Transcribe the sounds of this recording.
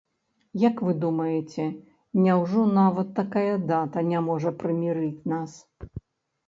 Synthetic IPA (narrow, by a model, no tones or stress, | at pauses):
jɐkvɨd̪umɐjɛt͡sʲɛ | nʲawʐɔnavɐt̪ːakajɐd̪at̪ɐnʲamɔʐɐpɾɨmʲiɾɨt͡sʲnas